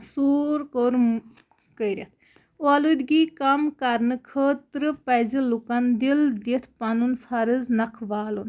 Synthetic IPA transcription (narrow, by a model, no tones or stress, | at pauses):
suːɾkoɾ | kəjɾɐt̪ʰ | oalud̪ɡiːkɐmkɐɾnɨkʰəːt̪ɾɨpɐjzilukɐnd̪ild̪it̪ʰpɐnunfʰɐɾɨznɐkʰʋaːlun